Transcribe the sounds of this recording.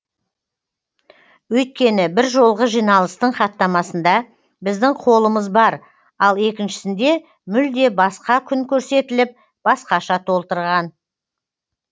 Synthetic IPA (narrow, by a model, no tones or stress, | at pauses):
wɵjt̪̚kʲe̞nɪbɪɾʒo̞lˠʁəʒijnɑlˠəst̪əɴχɑt̪ːɑmɑsənd̪ɑ | bɪzd̪ɪŋqʰo̞lˠəməzbɑɾ | ɑlˠe̞kʲɪnʃɪ̥sɪnd̪e̞ | mʏld̪e̞bɑsqɑkʲʰʏŋkʲʰɵɾse̞t̪ɪlɪp̚ | b̥ɑsqɑʃɑt̪ʰo̞lˠt̪əɾʁɑn